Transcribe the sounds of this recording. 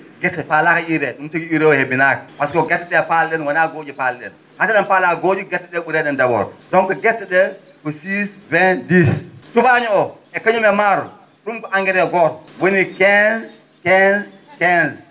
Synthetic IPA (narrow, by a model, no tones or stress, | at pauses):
ɡɛtːɛpalakaiɾɛɗumtiɡiiɾɛɔhebinakḁpaskɔɡɛtːɛɗɛpalɗɛnwanaɡod͡ʒipalɗɛ̰n | hataɗɛnpalaɡoːd͡ʒiɡɛtːɛɗɛɓuɾɛɗɛndawɔ̰ɾdɔnkɔɡɛtːɛɗɛ | kɔsisvɛndistubaɲuɔ | ɛkaɲumɛmaɾɔ̰ | ɗumkɔʔaŋɡɛɾɛɡɔtwonikɛnz | kɛnzkɛnz